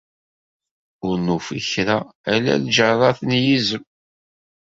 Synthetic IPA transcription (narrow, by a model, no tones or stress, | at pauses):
ʊɾnufḭçɾaælæ̰ðd͡ʒərˤɑθənjizəm